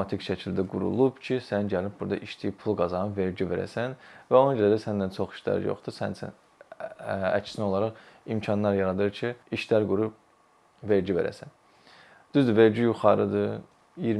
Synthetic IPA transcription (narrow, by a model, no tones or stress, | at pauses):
ɑt̪ʰikʃæcʰild̪æɡṵɾṵlˠubcʰisænɟælib̚buɾd̪ɑʔiʃt̪ijipʰulˠɡɑzɑnɯve̞ɾd͡ʒive̞ɾæ̰sænvæo̞nɑɟd͡ʒeɾæd̪æsænd̪ænt͡ʃʰo̞χi̥ʃlæ̰ɾ̰jo̰χd̪̥ɯsæ̰nsæ̰ | æ̰cʰsinio̞lˠɑɾɑʁimcʰɑnlˠɑɾjɑɾɑd̪ɯɾcʰiiʃlæɾɡuɾub̚ | ve̞ɾd͡ʒive̞̰ɾæ̰sæn | d̪̥yzd̪yve̞ɾd͡ʒijuχɑɾɯd̪ɯ | jiɾ